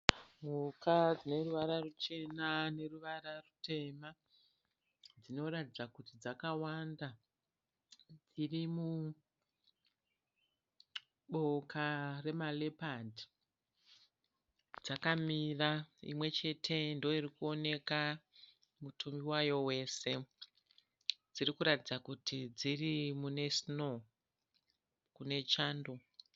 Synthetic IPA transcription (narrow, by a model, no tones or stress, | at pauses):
mukad͡zine̞ruʋaɾarut͡ʃe̞nane̞ruʋaɾarute̞ma | d͡zino̞ratid͡zakutid͡zakawanda | d͡zirimu | ɓo̞kare̞male̞padi | d͡zakamiraḭmwe̞t͡ʃe̞tʰe̞ndoirikuo̞ne̞ka | mutʰumiwajo̞we̞se̞ | d͡zirikuɾatid͡zakutid͡zirimune̞sno̞ | kune̞t͡ʃaːndo̞